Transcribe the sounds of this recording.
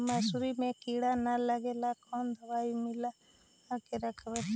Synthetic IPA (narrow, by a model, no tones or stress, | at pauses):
mɐsuɾimẽkiɽanalɐɡelakɔnd̪ɐʋaːjimila | akeɾɐkʰɐʋe